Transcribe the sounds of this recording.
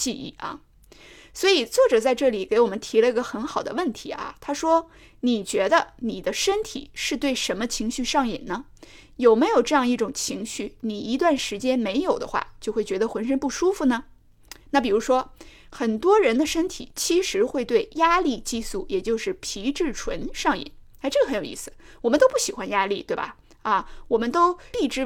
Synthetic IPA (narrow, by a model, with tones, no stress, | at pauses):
t͡ɕi˥˧ḭ˥˩ɐ̰˥˩ | swɔ˧˥i˨˩t͡swɔ˥˩ʈ͡ʂɤ˨˩t͡sa˥˧ɪʈ͡ʂɤ˥˩li˨˩ke˧˥ɪwɔ˨˩mə˦nt̪ʰi˧˥lə˧i˧˥ɡə˧xə˧˥nxɑ˨˩ʊd̪ə̰˦wə˥˩nt̪ʰi˧˥ɐ̰˧t̪ʰa˥ʂwɔ˥ | ni˨˩t͡ɕɥɛ˧˥d̪ə˧ni˨˩d̪ə˦ʂə˥nt̪ʰḭ˨˩ʂɻ̩˥˧t̪we˥˩ɪʂə˧˥nmə˧t͡ɕʰi˧˥ŋɕy˥˧ʂɑ˥˩ŋḭ˨˩nnə˦ | jo˨˩ʊme˧˥ɪjo˨˩ʊʈ͡ʂɤ˥˧jɑ˥˧ŋi˥˩ʈ͡ʂʊ˨˩ŋt͡ɕʰi˧˥ŋɕy˥˩ni˨˩i˧˥t̪wa˥˩nʂɻ̩˧˥t͡ɕjɛ˥nme˧˥ɪjo˨˩ʊd̪ə̰˦xwa̰˥˩t͡ɕjo˥˧ʊxwe˥˩ɪt͡ɕɥɛ˧˥d̪ə˧xwə˧˥nʂ̬ə˥npu˥˩ʂu˥fu˧nə˩ | na˥˩pi˨˩ɻu˧˥ʂwɔ˥xə˨˩nt̪wɔ˥ɻə˧˥nd̪ə˧ʂə˥nt̪ʰḭ˨˩˦t͡ɕʰi˧˥ʂɻ̩˧˥xwe˥˧ɪt̪we˥˩ɪja˥li˥˧t͡ɕi˥˧su˥˩jɛ˨˩t͡ɕjo˥˧ʊʂɻ̩˥˩pʰi˧˥ʈ͡ʂɻ̩˥˩ʈ͡ʂʰwə˧˥nʂɑ˥˩ŋḭ˨˩˦n | a˥ɪʈ͡ʂɤ˥˩ɡə˩xjo˨˩ʊḭ˥˩sɹ̩˩ | wɔ˨˩mə˦nt̪o˥ʊp̬u˥˩ɕi˨˩xwa˧˥nja˥li˥˩t̪we˥˩ɪbɐ̰˩ | ɐ˥˧wɔ˨˩mə˦nt̪o˥ʊli˥˧˩ʈ͡ʂɻ̩˥